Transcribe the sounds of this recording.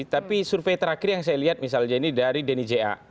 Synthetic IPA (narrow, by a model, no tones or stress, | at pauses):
t̪apisurfejt̪əɾakɪrjaŋsajaliɦat̪̚mis̬alɲainidaɾidenid͡ʒea̰